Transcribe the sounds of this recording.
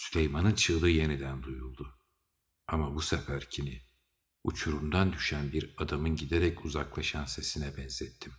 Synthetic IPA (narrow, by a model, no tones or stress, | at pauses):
sylʲejmanɯnt͡ʃʰɯlˠd̪ɯje̞nid̪ænd̪ujulˠd̪ʊ | amabusakʰaɾcʰinɪ | ut͡ʃʰuɾumd̪and̪yʃænbiɾad̪amɯnɟid̪eɾɛcuzaklˠaʃanse̞sinɛbɛnzɛt̪ʰːim